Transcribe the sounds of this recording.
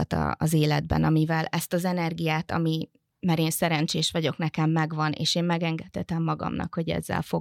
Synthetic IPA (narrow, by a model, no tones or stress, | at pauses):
ɒt̪ɒ̰ɒzeːlɛd̪̚bɛ̰nɒmivɛlɛst̪ɒzɛnɛrɡijaːt̪ɒ̰mi | maːɾeːnsɛɾɛnt͡ʃeːʃʋɒɟo̞knɛkɛmːɛɡʋɒnḛːʃeːmmɛɡɛŋɡɛt̪hɛt̪ɛmːɒɡɒ̰mnɒ̰kho̞ɟɛ̰zːɛ̰lfo̞